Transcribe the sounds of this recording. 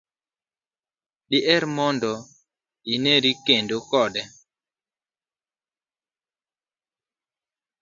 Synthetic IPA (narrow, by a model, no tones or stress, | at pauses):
ɗiʔɛɾmɔndɔ | inɛɾikendokɔɗɛ